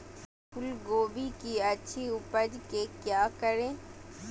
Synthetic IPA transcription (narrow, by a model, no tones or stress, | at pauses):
pʰʊlɡoːbikiɐtːʃʰiʊpəd͡ʒkekjaːkəɾẽː